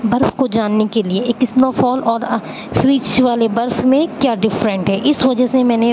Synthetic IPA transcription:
bɐɾfkod͡ʒaːnːekelieeːkɪsnaːfɔːlɔːɾ | fɾiːt͡ʃʋaːlebɐɾfmẽkjaːɖɪfɾə̃ɳʈɦɛːʔɪsʋɐd͡ʒəsemɛ̃ːne

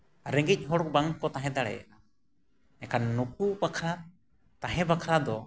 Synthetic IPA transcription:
ɾɛŋɡic̚ˀɦɔɽɔk̚baŋkɔt̪aɦɛ̃d̪aɽɛ̰ja̰ʔa | ɛkanːuk̚ubakʰɾa | t̪aɦɛ̃bakʰɾad̪ɔ

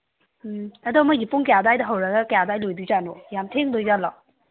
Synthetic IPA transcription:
ɐdomajipuŋkjadajdɐɦɐwɾɐɡɐkjadajlojduzanɔjamtʰeŋdojzalɔ

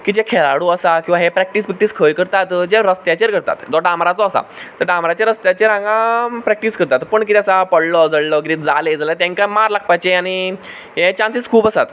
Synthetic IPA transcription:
kid͡ʑekʰelaɽuəsakĩw̃ʋaɦepɾɛk̚ʈisbik̚ʈiːskʰəjkəɾt̪at̪d͡ʑeɾəst̪jat͡ɕeɾkəɾt̪a̰t̪d͡zɔɖãmɾat͡sɔːsa̰t̪əɾɖãmɾat͡ɕeɾəst̪jat͡ɕeɾãŋɡãpɾɛk̚ʈiːskəɾt̪at̪pəɳkit̪iasapəɽlɔd͡zəɽlɔɡɾiːt̪d͡zaled͡zalet̪ãŋkajmaɾlak̚ʰpajt͡ɕeani | ɦet͡ɕansiskʰuːpəsat̪

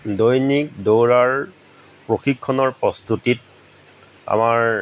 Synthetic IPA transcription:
dojnik̚dowɹaɹ | pɹoxikʰːɔnɔɹpɹɔst̪utit̚ | a̰maɹ

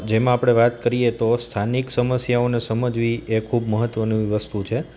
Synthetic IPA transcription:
d͡ʒemãapɽ̃eʋat̪kəɾijet̪ost̪ʰaniksəməsjaonesəməd͡ʒʋiekʰubməɦət̪ʋənũiʋəst̪ʰut͡ʃʰe

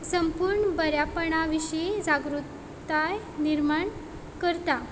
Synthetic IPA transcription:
səmpuɾɳbəɾjapəɳaʋiɕid͡zaɡɾut̪ | aj | niɾmaɳ | kəɾt̪a

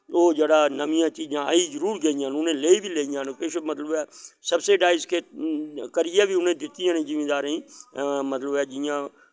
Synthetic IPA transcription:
oːd͡ʒeːɽaːnəmɪjãːt͡ʃiːd͡ʒãːa̰ːiːd͡ʒəɾuːɾɡəːɪjãːnʊnẽːleːibʱiːleːɪjãːnpeːʃemət̪ləbɛːsəbseːɖaːɪzkʰeːkəɾɪjaːbiːʊnẽːd̪ɪt̪ːɪjãːnẽːd͡ʒɪmeːd̪aːɾĩːmət̪ləbɛːd͡ʒɪjãː

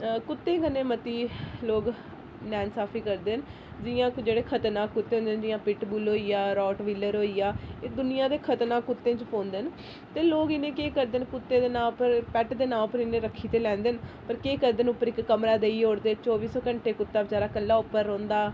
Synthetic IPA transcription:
kʊt̪ːẽːkənːẽːmət̪iːloːɡ | nɛːnsaːpʰiːkəɾd̪eːn | d͡ʒɪjãːd͡ʒeːɽeːkʰət̪nãːkʊt̪ːẽːõːnd̪eːnd͡ʒɪjãːpɪʈbuːloːiːaːɾɔːʈʋiləɾɦoːiːjaːeːd̪ʊnɪjãːd̪eːkʰət̪naːkʊt̪ːẽːt͡ʃpõːnd̪en | t̪eːloːɡɪnẽːkeːkəɾd̪eːnkʊt̪ːeːd̪eːnãːpəɾpɛʈd̪eːnãːpəɾɪnẽːɾəkʰːiːt̪eːlɛ̃ːnd̪eːnpəɾkeːkəɾd̪eːnʊpːəɾɪkːəmɾaːd̪eːiːoːɽd̪eːt͡ʃɔːʋiːsɔːkəɳʈeːkʊt̪ːaːbəd͡ʒaːɾaːkəlːaːʊpːəɾːõːnd̪aː

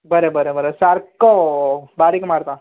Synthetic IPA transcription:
bəɾebəɾebəɾesaɾkobaɾikmaɽt̪a

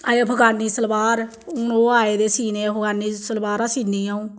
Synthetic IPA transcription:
aeːbʱəɡaːniːsəlbaːɾ | ʊnoːaːeːd̪eːsiːneːbʱəɡaːniːsəlbaːɾãːsiːniːaːũː

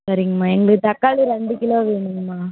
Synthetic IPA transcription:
sɐɾɪŋɡɐmaːɛŋɡɐɭɯɯt̪ɐkːaːɭɯɾɐnd̪ɯkːɪloːʋeːɳɯŋɡɐmaː

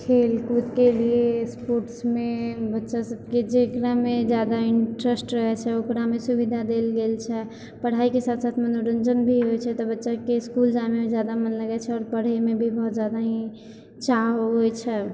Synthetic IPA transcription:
kʰelkut̪keliespoɾʈsmebətːʃasəb̚ked͡ʒekɾamed͡ʒjad̪aɪɳʈɾəsʈɾəɦɛt͡ʃʰɛokɾamesubid̪ʱad̪elɡelt͡ʃʰɛ | pəɽ̤aikesat̪ʰsat̪ʰmənuɾənd͡ʒənbʱiɦojt͡ʃʰɛt̪ɔbətːʃakeskuld͡ʒamemed͡ʒjad̪amənləɡɛt͡ʃʰɛɔːɾpəɽ̤emebʱibəɦut̪d͡ʒjad̪aɦĩ | t͡ʃaɦojt͡ʃʰɛ

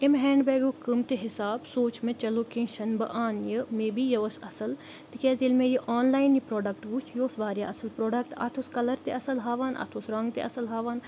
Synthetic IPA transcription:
ɪmɦɛ̃ːɳɖbɛːɡokɨmt̪eɦɪsaːbsoːt͡ʃmẽt͡ʃɐlokĩʃɐnbɐ̰ʔaːnjəmẽːbijɐʋɐsɐsəl | t̪ikɛːzilmẽjiʔoːnlaːjɪnjəpɾoːɖɐk̚ʈʋut͡ʃʰjoːsʋaːɾja̰ːɐsəlpɾoːɖɐk̚ʈɐ̰t̪ʰoskɐlɐɾt̪eɐsəlɦaːʋaːnʔɐ̰t̪ʰosɾɐŋɡt̪ḛɐsəlɦaːʋaːn

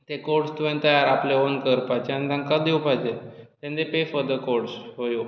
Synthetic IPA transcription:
t̪ekoʈst̪uʋẽnt̪əjaɾapleonkəɾpajt͡ɕeand̪ãŋkad̪iwpajd͡ʑet̪ɛ̃nd̪epefəd̪əkoɽsɦoju

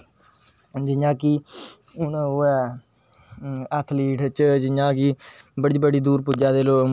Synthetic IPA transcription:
d͡ʒɪɲãːki | ʊnoɛ | ət̪ʰliːʈʰt͡ʃd͡ʒɪɲãːkɪ | bəɽiːbəɽiːd̪uːɾpud͡ʒaːd̪eːloː

